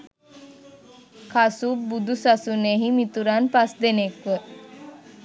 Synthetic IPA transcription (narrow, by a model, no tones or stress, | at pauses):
kʰasubud̪usasuneɦimit̪uɾanpasd̪enekʋə